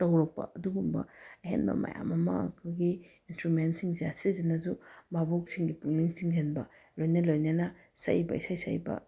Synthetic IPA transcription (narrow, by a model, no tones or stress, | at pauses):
tɐwɾɐk̚pɐ̰ɐduɡumbɐ̰ɐɦḛnbɐ̰mɐ̰ja̰mɐmɐ̰kʰoɡiinstɾumentsiŋzasizinazumabok̚siŋɡipuŋniŋt͡ʃiŋzenbɐ | lojnɐlojnɐnɐ | sa̰jibɐ̰isajsa̰jbɐ̰